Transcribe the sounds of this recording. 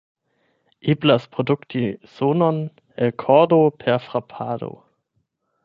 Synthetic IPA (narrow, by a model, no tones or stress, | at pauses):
ʔiblaspʁoduktʰiz̥onon | elkʰɔdopʰɛɐfʁapʰaːdo̰